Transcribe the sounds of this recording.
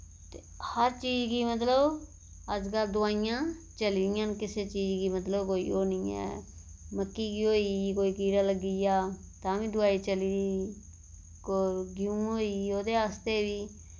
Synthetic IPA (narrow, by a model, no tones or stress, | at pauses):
t̪e | həɾt͡ʃiːd͡ʒɡiːmət̪̬ləb | əd͡ʒkəld̪ʊaːɪjãːt͡ʃəliɾɪjãːnkɪseːt͡ʃiːd͡ʒɡiːmət̪ləbkoːḭːoːniːɛ̰ːməkːiːɡiːɦoːiːkoːiːkiːɾaːləɡijaː | t̪ãːʋĩːd̪ʊaːiːt͡ʃəliːɾiː | koɡɪũːɦoːiːoːd̪eːaːst̪eːʋiː